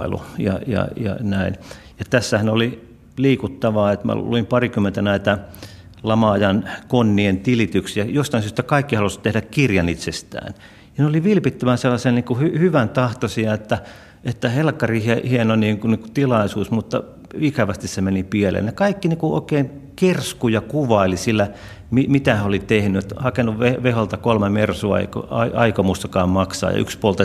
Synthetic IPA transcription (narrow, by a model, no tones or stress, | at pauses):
ḛlṵjɑ̰jɑ̰jɑ̰næin | jɑt̪æsːæhænoli | liːkut̪ːɑʋɑːet̪mæ̰luimpɑrikymːˑent̪ænæit̪æ | lɑmɑːjɑnkonːient̪ilit̪yksijɑjost̪ɑinsyøst̪ækɑikːihɑlust̪ehɾækkirjɑnit̪sest̪æ̰ːn | jɑneoliʋilpit̪ːæʋænselːɑsenniːŋkuhyhyʋænt̪ɑht̪osiɑet̪ːæ | et̪ːæhelkːɑriːhehienoniːŋkuniːŋku̥t̪ilɑisuːsmut̪ːɑ | ikæʋæst̪issemenipielḛnnekɑikːinekuo̰ˑikeːnkerskujɑkuʋɑilisilːæ | mimit̪æhæolit̪ehnyet̪hɑkenuʋʋeʋeholt̪ɑkolmemersuɑ̰ḛiko̰ɑiʔɑikomust̪ɑkɑːmmɑksɑ̰ːjɑ̰ʔy̰kspolt̪ɑ